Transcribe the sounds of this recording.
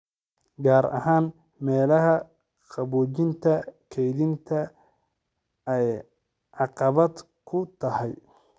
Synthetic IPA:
ɡaːɾɐ̰haːn | mɛːlɐɦɐ | qɑβuːt͡ʃɪnt̪ʰɐkʰɛjðɪnt̪ʰɐ | ɛj | ʕɑqɑβɐd̪ | kʰʊt̪ʰɐhɛj

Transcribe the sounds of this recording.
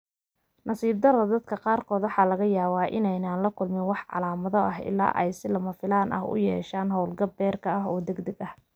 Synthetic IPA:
nɐsiːb̚d̪ɐɾɐd̪ɐd̪kʰɐqɑːrkʰɔːd̪wɑħɑːlɐɣɐjaːβaːʔɪ̰nɛjnaːnlɐkʰʊlmɪnwɑħʕɑ̰laːmɐðɔʔɐɦɪ̰la̰ːʔɛjsɪlɐmɐfɪlaːnʔɐ̰ɦʊ̰jɛːʃaːnɦɔwlɡɐbbɛːrkʰɐɐɦɔːd̪ɛɡd̪ɐɡɐh

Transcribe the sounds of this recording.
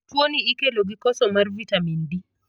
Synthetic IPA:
tuoniikɛlɔɡikɔsɔmaɾvitamindi

